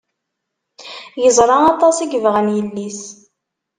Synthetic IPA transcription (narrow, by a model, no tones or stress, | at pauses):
jəzˤɾˤɑɑt̪ˤɑsiɡvʁænjəlːis